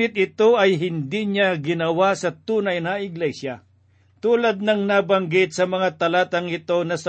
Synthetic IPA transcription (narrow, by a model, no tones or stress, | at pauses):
ɪt̪̚ɪt̪o̞ʔɐjɦɪnd̪iɲaɡɪnɐwasɐt̪uːnɐjnɐɪɡlɛsjɐ | t̪uːlɐd̪̚nɐŋnabɐŋɡɪt̪̚sɐmɐŋat̪ɐlaːt̪ɐŋɪt̪o̞nɐsɐ